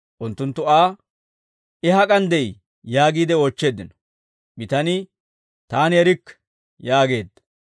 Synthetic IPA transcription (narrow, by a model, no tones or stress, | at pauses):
ʔʊnt̪ːʊnt̪ːʊaː | ʔɪɦɐkʼɐnd̪ɛj | jaːɡiːd̪ɛoːt͡ʃːe̞ːd̪ːɪnɔ̥ | bɪt̪ɐnɪ | t̪aːnjɛɾɪkː | jaːɡe̞ːd̪ːɐ̥